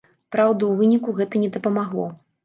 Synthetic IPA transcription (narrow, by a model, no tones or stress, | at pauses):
pɾawd̪ɐwvɨnʲikuɣɛt̪ɐnʲɛd̪ɐpɐmaɣlˠɔ̰